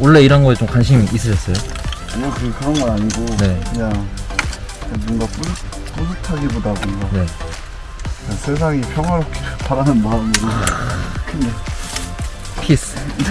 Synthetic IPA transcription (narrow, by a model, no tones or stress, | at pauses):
wʌɭːe̞iɾʌnɡʌet͡ɕomkwanɕʰimis͈ɯɕʰʌs͈ʌjo | ekɯɡekɯɾʌnɡʌaɲiɡone̞kɯɲaŋ | kebunɡapu | pusʰutʰaɡibodaɡoɲone̞ | kasʰe̞s̬ʰaŋipʰjʌŋɦwaɾʌp̚kʰepaɾanɯnmaɯmiɾo | kɯna | pʰis